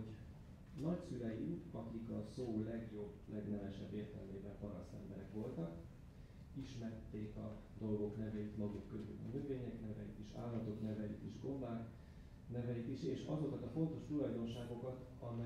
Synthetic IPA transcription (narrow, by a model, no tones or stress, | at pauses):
nɒcsyɾɛjiɒkikɒsoːlɛɡjo̞blɛɡnɛvɛʃɛbːeːrt̪ɛ̰lmeːvɛlpɒɾɒsɛ̰mbɛ̰ɾɛkʋo̞lt̪ɒk | iʃmɛrt̪ːeːkɒd̪o̞lɡo̞knɛvɛjit̪mɒɡukːøzy̰lɒ̰nøveːɲɛknɛvɛjḭt̪iʃa̰ːlːɒt̪o̞knɛvɛjḭt̪iʒɡo̞mbaːk | nɛvɛjit̪iʃeːʃɒzo̞kɒt̪ɒfo̞nt̪o̞ʃt̪ulɒjd̪o̞nʃaːɡo̞kɒt̪ɒmɛ